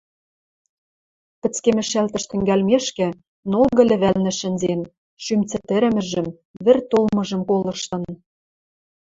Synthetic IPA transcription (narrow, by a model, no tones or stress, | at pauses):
pɘ̆t͡skemɘ̆ʃælt̪ɘ̆ʃt̪ɘ̆ŋɡælmeʃkɘ̆ | nolɣɤ̆lʲɘ̆βælnɘ̆ʃɘ̆nʲzen | ʃymt͡sɘ̆t̪ɘ̆ɾɘ̆mɘ̆ʒɘ̆m | βɘ̆rt̪olmɤ̆ʒɤ̆mkolɤ̆ʃt̪ɤ̆n